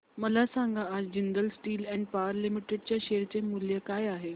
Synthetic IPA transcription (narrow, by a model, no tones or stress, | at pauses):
mɐlasãːŋɡãad͡ʑɪnd̪əlsʈiːlɛ̃ːɳɖ̚paːəɾlɪmɪʈeɖ̚t͡ɕaʃeːɾt͡ɕemulijəkaːjaːɦeː